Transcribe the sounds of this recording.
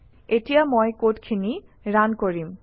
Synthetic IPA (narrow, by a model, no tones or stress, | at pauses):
eʈiamɔjkoʈkʰiniɾankoɾim